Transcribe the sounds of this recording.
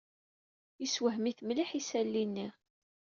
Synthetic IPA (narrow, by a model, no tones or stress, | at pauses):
iswəɦmiθmliħisælːinːi